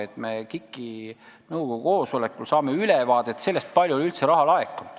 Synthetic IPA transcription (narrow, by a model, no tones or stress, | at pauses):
et̪ːmekikˑːinɤwkoɡuko̞ːsole̞kːˑulsɑːmeylevɑːd̪̥et̪se̞lːest̪̚pɑlʲjulylt̪seɾɑhɑlɑekːˑon̥